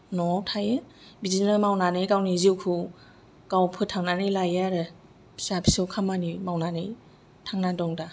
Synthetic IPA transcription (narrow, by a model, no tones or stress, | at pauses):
nɔwtʰajɯ | bizinɯmawnanɯjkawniziwkʰɯ | kawpʰɯtʰaŋnanɯjlajaɾɯ | pʰsapʰisɯwkʰamanimawnanɯj | tʰaŋnadɔŋda